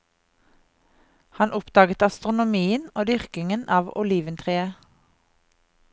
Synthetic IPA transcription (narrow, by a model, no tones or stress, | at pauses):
hɑnʔʊpd̪̥ɑːɡət̪ɑst̪ʁʊnʊmiːənoːd̪ʏʁkɪŋənʔɑːʋʊ̰liːʋənt̪ʰʁeːə